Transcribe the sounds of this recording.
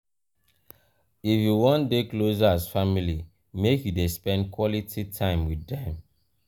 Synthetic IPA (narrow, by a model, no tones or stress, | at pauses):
ifjuwɔ̃ndeklozazfamili | mekjudespɛ̃n̚kwɔlitʰitʰãɪ̃mwiɛ̃m